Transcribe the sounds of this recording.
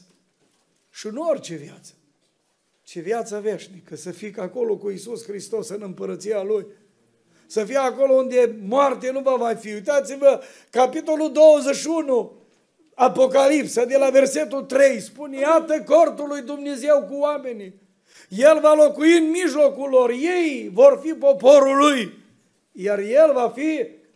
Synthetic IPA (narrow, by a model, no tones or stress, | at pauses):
ʃinuorʲt͡ʃe̞vjat̪sə̥ | t͡ʃevjat̪səve̞ʃnikəsəfikako̞lo̞kuisusxɾist̪o̞sɨnɨmpəɾət̪sijaluj | səfijeako̞lo̞und̪e̞moart̪enuvavajfiujt̪at̪sivə | kapit̪o̞lud̪o̞wəzeʃiunu | apo̞kalipsəd̪e̞lave̞rse̞t̪ut̪ɾe̞jspunejat̪əkort̪ulujd̪umne̞ze̞wkuame̞ni | je̞lvalo̞kuiɨnmiʒlo̞kulːo̞rje̞jvo̞rfipo̞po̞ɾuluj | jarje̞lvafi